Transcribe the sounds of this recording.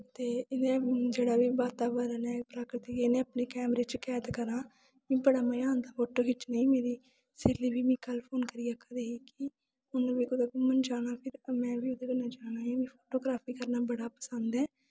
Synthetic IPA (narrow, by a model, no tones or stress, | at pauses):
t̪eːɪnẽːd͡ʒeːɽaːbiːbaːt̪aːbəɾənɛːpɾaːkɾət̪iːɪnẽːəpneːkɛːmɾeːt͡ʃkɛːt̪kəɾãː | mĩːbəɽaːməjãːnd̪aːpʰoːʈoːkɪt͡ʃnəĩːmeːɾiː | sɪliːbiːmĩːkəlpʰoːnkəɾiːaːkʰəd̪eːɦiːki | ʊnbiːkʊd̪eːkumənd͡ʒaːnaːpʰɪɾmɛ̃ːbiːʊd̪eːkənãːd͡ʒaːñaːɦimĩːpʰoːʈoːɡɾaːpʰiːkəɾnaːbəɽaːpəsənd̪ɛː